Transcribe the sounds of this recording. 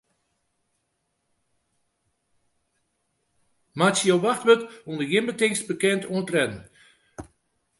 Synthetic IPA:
masjowʋaxtʋətundəɡɪmbətɪŋstbəkɛntʰuntrɛnn

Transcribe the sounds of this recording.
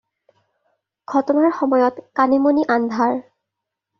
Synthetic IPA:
ɡ̥ʱɔtɔnaɹxɔmɔjɔtkanimoniʔand̪ʱaɹ

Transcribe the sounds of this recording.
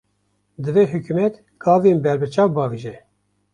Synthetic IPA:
d̪ɨvɛɦukumɛt̪ | ɡʰɑːvenbɛɾbɨt͡ʃɑːwbɑːveʒɛ

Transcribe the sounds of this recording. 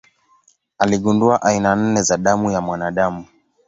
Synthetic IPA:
aliɠunduaʔainan̩nɛzaɗamujamwanaɗamu

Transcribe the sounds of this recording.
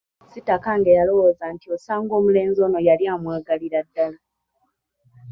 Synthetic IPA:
sitːakaŋɡejalo̞woːzantiosaːŋɡo̞ːmule̞ːnzo̞ːno̞jaljaːmwaːɡaliɾadːala

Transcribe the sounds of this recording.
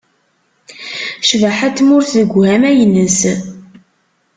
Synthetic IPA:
ʃvaħat̪mʊɾθðəɡʷhæmæjənːəs

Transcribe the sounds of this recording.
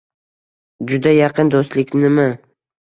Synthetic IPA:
d͡ʒʊd̪ajɑqʰɨnd̪ost̪lɪkʲnɪmɪ

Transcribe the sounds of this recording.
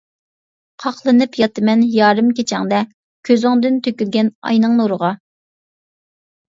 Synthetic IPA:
qʰɑχlˠɨnɨpjɑt̪ʰɨmɛnjɑːɾɨmkʲet͡ʃʰɛŋd̪ɛ | kʲʰøzɪŋd̪ɪnt̪ʰøkʲylɡʲɛnɑ̰jnɨŋnoɾəʁɑ

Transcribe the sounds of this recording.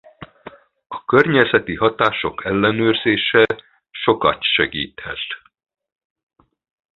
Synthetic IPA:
ɒ̥kørɲɛzɛt̪iɦɒt̪aːʃo̞kʰɛlːɛnøːrzeːʃɛ | ʃo̞kɒt̪ʃɛɡḭːt̪hɛ̰t̪

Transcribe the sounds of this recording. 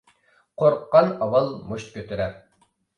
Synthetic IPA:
qʰoɾqːɑnɑwɑlˠmoʃt̪̚kʲʰøt̪ʰyɾɛɾ

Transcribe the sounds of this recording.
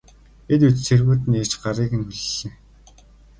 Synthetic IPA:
et̪ut͡ɕt͡sʰerɣuːt̪ɘ̆ne̥t͡ɕɢaɾiːkɘ̆nxuɮːĕː

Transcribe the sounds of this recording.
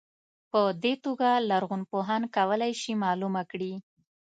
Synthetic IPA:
pəd̪et̪oɡalaɾɣunpoɦankawəlajʃimɑlumakɽi

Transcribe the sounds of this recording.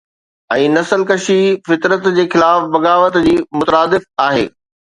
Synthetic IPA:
ɛ̃ːnɐsəlkɐʃifɪt̪ɾət̪d͡ʑeːxɪlaːfbɐɣaːʋət̪d͡ʑiːmʊt̪ɾaːd̪ɪfaːɦḛː

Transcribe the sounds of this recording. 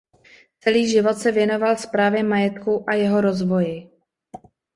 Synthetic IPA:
t͡sɛliːʒɪvo̞t̪sɛvjɛno̞valfspɾaːvjɛmajɛt̪kuʔajɛɦo̞ɾozvo̞jɪ

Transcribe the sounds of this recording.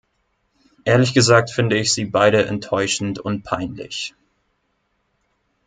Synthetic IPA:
ʔeːɐlɪçɡ̥əzaːk̚tfɪndəɪçz̥iːbaɪɾəʔɛ̰ntʰːɔʏʃn̩tʊnt̚pʰaɪnlɪ̰ç

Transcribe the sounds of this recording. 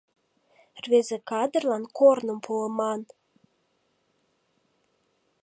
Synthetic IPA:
rβezekɑd̪ərlɑnkornəmpʰuəmɑn

